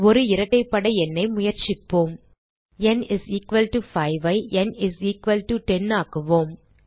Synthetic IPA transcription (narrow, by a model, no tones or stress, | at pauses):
ɔɾɯɪɾɐʈːɐɪpːɐɽɐɪɛnːɐɪmʊjɐɾt͡ʃɪpːoːm | ɛnɪsiːkʋɐlʈufɐɪʋɐɪʔɛnɪsiːkʋɐlʈuʈɛnaːkɯʋoːm